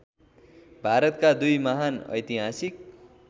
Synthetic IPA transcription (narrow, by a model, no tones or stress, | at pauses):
bʱaɾʌt̪kad̪ujmʌɦanʌ̰jt̪iɦasik̚